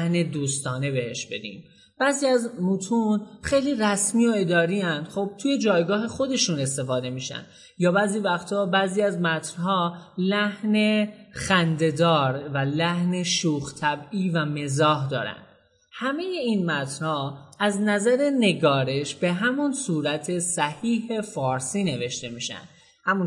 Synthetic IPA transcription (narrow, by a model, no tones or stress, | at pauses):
hne̞d̪uːst̪ɒːne̞be̞he̞ʃbe̞̰d̪ḭːm | b̥æːziːæzmut̪ʰuːnxe̞jliːræsmiːo̞e̞d̪ɒːɾiænd̪̥xob̥̚t̪ʰuje̞d͡ʒɒːjɡɒːɦe̞xo̞d̪e̞ʃune̞st̪e̞fɒːd̪e̞miʃæ̰nd̪ | jɒːbæːziːvæxt̪ʰɒːbæːziːæzmæt̪ʰnɦɒːlæhne̞xænd̪e̞d̪ɒːɾvælæhne̞ʃuːxt̪ʰæbiːvæme̞zɒːɦd̪ɒ̰ːɾæ̰nd̪̥ | hæme̞je̞inmæt̪ʰɾhɒːæznæzæɾe̞ne̞ɡɒːɾe̞ʃb̥eɦæmunsuːɾæt̪ʰe̞sæhiːhe̞fɒːɾsiːne̞ve̞ʃt̪e̞miːʃæ̰nd̪̥ | hæmun